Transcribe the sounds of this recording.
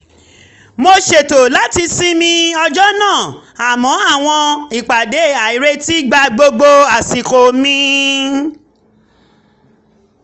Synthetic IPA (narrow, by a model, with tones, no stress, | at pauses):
mo˧ʃe˨to˨la˨˦ti˧si˦mĩ˧ɔ˧d͡ʒɔ˦nãː˦˨ | a˨mɔ̃˨˦a˦˨w̃ɔ̃˧i˨k͡pa˨de˨˦˨a˨i˨˦ɾe˦ti˦ɡ͡ba˧ɡ͡bo˧ɡ͡bo˧a˨si˨ko˨mĩ˦